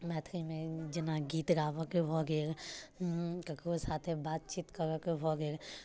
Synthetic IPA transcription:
mɛːt̪ʰɾimẽd͡ʒɪnaɡiːt̪ɾaːʋəkebʱɔɡeːɾ | kəkosaːt̪ʰebaːt̪̚t͡ʃiːt̪kəɾəkebʱɔɡeːɾ

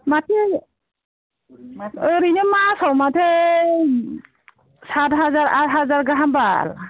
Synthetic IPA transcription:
matʰi | ɾinɔmasɔwmatʰe | satɦazaɹatɦazaɹɡaɦamba̰l

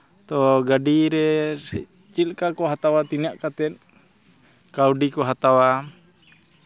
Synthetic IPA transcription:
t̪ɔɡadiɾɛsɛ | t͡ʃilkakɔɦat̪awat̪iniaʔkat̪ɛt̪̚ | kauɖikɔɦat̪awa

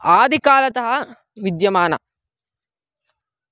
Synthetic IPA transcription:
aːd̪ʱikaːlɐt̪ɐɦɐ | ʋid̪jɐmaːnɐ̰

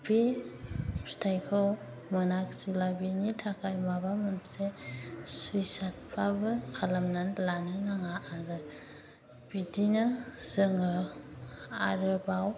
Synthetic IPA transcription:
bi | stʰajkʰɯw | mɯnaksilabinitʰakʰajmabamɯnsesujsat̚pʰabɯkʰalamnanlanɯnaŋaʔaɾɯ | b̥idinaz̥ɯŋɯ | a̰ɾɯbaw

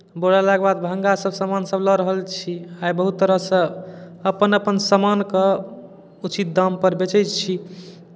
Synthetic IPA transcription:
boɽalaɡbad̪bʱəŋɡasəbsəmansəblɔɾəɦəlt͡ʃʰiajbəɦut̪ːəɾəɦsə̃əpənəpənsəmanke | ut͡ʃit̪̚d̪əmpəɾbet͡ʃəjt͡ʃt͡ʃʰi

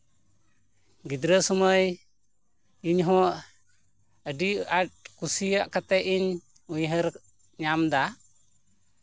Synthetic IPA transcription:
ɡid̪ɾəsəməj | iɲɦɔ̃ʔ | əɖiat̚kusijaʔkat̪ɛʔiɲ | ujɦəɾ | ɲamd̪a

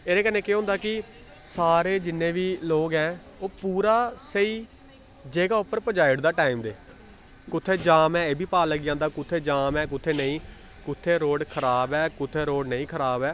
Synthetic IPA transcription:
eːɾeːkənːẽːkeɦʊ̃nd̪aːkɪ | saːɾeːd͡ʒɪnːẽːʋiːloːɡɦɛ̃ː | oːpuːɾaːsəiː | d͡ʒeːɡaːʊpːəɾpəd͡ʒaːɪɽd̪aːʈaːimd̪eː | kʊt̪ʰːeːd͡ʒaːmɛːeːbʱiːpaːləɡɪjãːnd̪aːkʊt̪ʰːeːd͡ʒaːmɛːk̬ʊt̪ʰːeːnəĩː | kʊt̪ʰːeːɾoːɽkʰəɾaːbɛːkʊt̪ʰːeːɾoːɖnəĩːkʰəɾaːbɛː

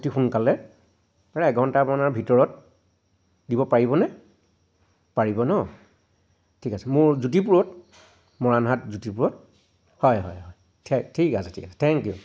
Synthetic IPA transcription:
tixunkalɛ | aɹɛɛɡʱɔntamɔnaɹbʱitɔɹɔt̚ | dibɔpaɹibɔnɛ | paɹibɔnɔ | tʰikasɛmʊɹzut̬ipuɹɔt | mɔɹanɦat̚zutipuɹɔt̚ | hɔjɦɔ̰jɦɔj | tʰɛtʰikasɛtʰḭkasɛ̥tʰɛŋkju

